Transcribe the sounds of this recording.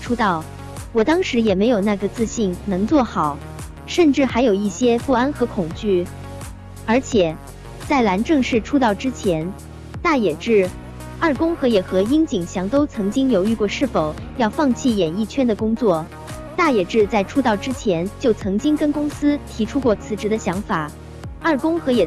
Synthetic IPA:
ʈ͡ʂʰu˥t̪ɑ˥˩ʊ | wɔ˨˩t̪ɑ˥ŋʂɻ̩˧˥jɛ˨˩me˧˥ɪjo˨˩ʊna˥˩ɡə˩t͡sɹ̩˥˧ɕi˥˩nnɤ˧˥ŋt͡swɔ˥˩xɑ˨˩˦ʊ | ʂə˥˧nʈ͡ʂɻ̩˥˩xa˧˥ɪjo˨˩ʊi˥˩ɕjɛ˥pu˥˩a˥nxɤ˧˥kʰʊ˨˩ŋt͡ɕy˥˩ | ə˞˧˥t͡ɕʰjɛ˨˩ | t͡sa˥˩ɪla˧˥nʈ͡ʂɤ˥˧ŋʂɻ̩˥˩ʈ͡ʂʰu˥t̪ɑ˥˩ʊʈ͡ʂɻ̩˥t͡ɕʰjɛ˧˥n | t̪a˥˩jɛ˨˩ʈ͡ʂɻ̩˥˩ | ɐ˞˥˩kʊ˥ŋxɤ˧˥jɛ˨˩xɤ˧˥i˥ŋt͡ɕi˨˩ŋɕjɑ˧˥ŋt̪o˥ʊt͡sʰɤ˧˥ŋt͡ɕi˥ŋjo˧˥ʊy˥˧kwɔ˥˧ʂɻ̩˥˩fo˨˩ʊ | jɑ˥˧ʊfɑ˥˧ŋt͡ɕʰi˥˩jɛ˨˩ni˥˩t͡ɕʰɥɛ˥nd̪ə˨kʊ˥ŋt͡swɔ˥˩ | t̪a˥˩jɛ˨˩ʈ͡ʂɻ̩˥˧t͡sa˥˩ɪʈ͡ʂʰu˥t̪ɑ˥˩ʊʈ͡ʂɻ̩˥t͡ɕʰjɛ˧˥nt͡ɕjo˥˩ʊt͡sʰɤ˧˥ŋt͡ɕi˥ŋkə˥nkʊ˥ŋsɹ̩˥t̪ʰi˧˥ʈ͡ʂʰu˥kwɔ˥˩t͡sʰɹ̩˧˥ʈ͡ʂɻ̩˧˥d̪ə˧ɕjɑ˧˥ŋfa˨˩˦ | ɐ˥˩kʊ˥ŋxɤ˧˥jɛ˨˩

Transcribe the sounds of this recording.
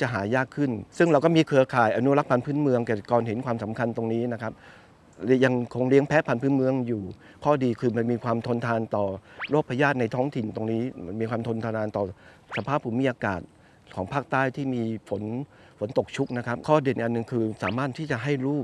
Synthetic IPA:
t͡ɕa˨˩ɦaː˩˦jaː˥˩kʰːɯ˥˩nsɯ˥˩ŋɾa˧wkɔ˥˩miː˧kʰɯ˧ɐkʰaː˨˩jʔa˧nu˦˥˨la˦˥k̚pʰa˧npʰɯː˦˥˨nmɯ˧əŋkɛː˨˩kɔː˨˩nɦe˩˦nkʰwaː˧msa˩˦mkʰa˧nt̪o˧ŋniː˦˥na˦˥kʰa˦˥p̚ | lɛ˦˥ja˧ŋkʰo˧ŋɾi˦˥əŋpʰɛː˦˥pʰa˧npʰɯː˦˥nmɯ˧əŋjuː˨˩ | kʰɔː˥˩diː˧kʰɯː˧ma˧nmiː˧kʰwaː˧mt̪ʰo˧nt̪ʰaː˧nt̪ɔː˨˩ɾoː˥˩k̚pʰa˧jaː˥˩t̪̚na˧jt̪ʰɔː˦˥ŋt̪ʰi˨˩nt̪o˧ŋniː˦˥a˧nmiː˧kʰwaː˧mt̪ʰo˧nt̪ʰaː˧naː˧nt̪ɔː˨˩ | sa˧pʰaː˥˩pʰːuː˩˦mi˦˥ʔaː˧kaː˨˩t̪̚ | kʰɔː˩˦ŋpʰaː˥˩k̚t̪aː˥˩jt̪ʰiː˥˩miː˧fo˩˦n | fʰo˨˩˦nt̪o˨˩k̚t͡ɕʰu˦˥k̚na˦˥kʰa˦˥p̚kʰɔː˥˩di˨˩ənʔa˨nːɯ˨˩ŋkʰɯː˧saː˩˦maː˥˩t̪ʰːiː˥˩t͡ɕa˨˩ɦa˥˩jɾuː˥˩p̚

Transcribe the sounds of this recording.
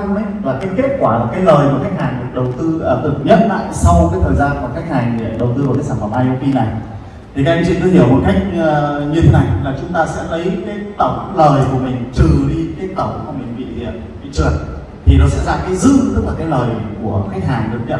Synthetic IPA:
laː˨˩ʔa˧ke˦˥t̚kwaː˧˩laː˨˩kaː˨˦jləː˨˩jku˧˩əxa˦˥jk̟̚haː˨˩ŋɗɨ˨˩ək̚ɗə˨˩wt̪ɨ˧əː˨˧˩t̪ɨ˨˩t̚ɲə˦˥t̚t̪a̰ː˧˨jsa˧wkaː˨˦jt̪ʰəː˨˩jzaː˧nku˧˩xa˦˥jk̟̚haː˨˩ŋe˧˨˧ɗə˨˩wt̪ɨ˧ku˧˩ka˦k̚saː˧˩fə˧˩mʔaː˧jo˧ki˧na˨˩j | t̪ʰi˨˩kaː˦˥k̚ʔɛ˧mt͡ɕḭ˧˨nt̪ɨ˧˦hi˧˩əwmo̰˨˩t̚ka˦˥jk̟̚ːɲɨ˧e˨˦na˨˩jlaː˨˩t͡ɕʊ˨˦ŋ͡mt̪aː˧sɛ̰˧˥lə˨˦jkaː˨˦jt̪ə˧˩wŋ͡mləː˨˩jku˧˩əmï˨˩ŋ̟t͡ɕ̪ɨ˨˩ɗi˧kaː˨˦jt̪ə˧˩wkmi˨˧˩ŋvḭ˧˨zḭ˧˨ən | ḭ˧˨t͡ɕɨ˨˩ən | t̪ʰi˨˩nɔ˨˦sɛ̰˧˥zaː˧˩mkaː˨˦jzɨ̰˧˥t̪ɨ˦˥laː˨˩kaː˨˦jləː˨˩jku˧˩əxa˦˥jk̟̚haː˨˩ŋɗɨ˨˩əɲḭ˧˨ə˨

